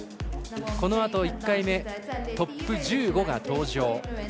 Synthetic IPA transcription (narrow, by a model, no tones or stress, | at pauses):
ko̞no̞at̪o̞ikːaime̞t̪o̞pːɯ̟d͡ʑɨːɡo̞ɡat̪o̞ːʑo̞ː